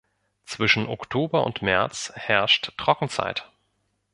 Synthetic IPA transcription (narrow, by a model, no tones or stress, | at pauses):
t͡sv̥ɪʃn̩ʔɔ̰ktʰoːbɐʔʊ̰ntmɛɐt͡shɛɐʃttʁ̥ɔkŋ̩t͡sa̰ɪt